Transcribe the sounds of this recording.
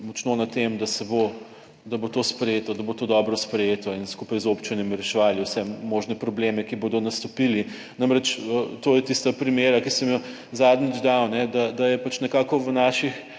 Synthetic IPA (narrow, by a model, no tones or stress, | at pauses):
mɔt͡ʃnonɐt̪emd̪ɐsɛbo | d̪ɐbot̪oːspɾɛjeːt̪ɔd̪ɐbot̪oːd̪ɔbɾɔspɾɛjeːt̪ɔinskupajzopt͡ʃinjɛmiɾɛʃɛʋaliwsɛmoʒnɛpɾɔblemɛkibod̪ɔnɐst̪ɔpili | namɾɛt͡ʃət̪oːjɛt̪ist̪apɾimjeːɾakisɛm | zad̪nid͡ʒd̪awnɛd̪ad̪ajɛpat͡ʃnɛkaːkɔʋənaːʃix